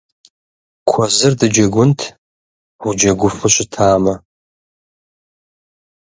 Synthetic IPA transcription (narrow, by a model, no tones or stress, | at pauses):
kʷʰazɨrdɨd͡ʒɐɡʷʊntʰ | wʷud͡ʒɐɡʷʊfɨʃʷʊtʰaːmɐ